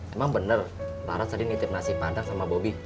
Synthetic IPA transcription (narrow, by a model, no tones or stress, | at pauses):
emaŋbənərla̰ɾat̪sadinit̪ɪp̚nasɪhbant̪aŋsamabobi